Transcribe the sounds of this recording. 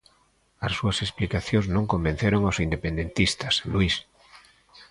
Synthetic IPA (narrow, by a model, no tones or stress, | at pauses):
asːuasesplikaθjoznõŋkombẽn̟θeɾoŋawsind̪epend̪ẽnt̪ist̪aslwis